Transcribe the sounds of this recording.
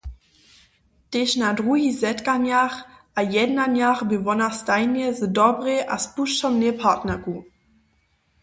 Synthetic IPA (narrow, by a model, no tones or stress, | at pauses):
teʃnadʁuɦizɛtkanjaχʔajɛdnanjaχbevɔnastaɪnjɛzədɔbʁeʔa̰spuʃtɔmnepʰatnɛku